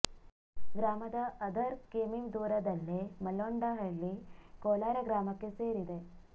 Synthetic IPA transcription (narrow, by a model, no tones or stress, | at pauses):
ɡɾaːmɐd̪ɐʔɐd̪ɐɾkeːmiŋd̪uːɾɐd̪ɐlːimɐlːoɳɖɐɦɐɭːikoːlaːɾɐɡɾaːmɐkːe̞seːɾid̪e̞